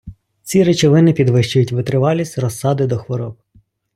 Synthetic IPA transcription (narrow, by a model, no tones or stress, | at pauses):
t͡sʲiɾɪt͡ʃɔʋɪnɪpʲid̪ʋɪʃt͡ʃʊjʊtʲʋɪt̪ɾɪʋɑlʲisʲrɔsːɑd̪ɪd̪ɔxʋɔɾɔb̚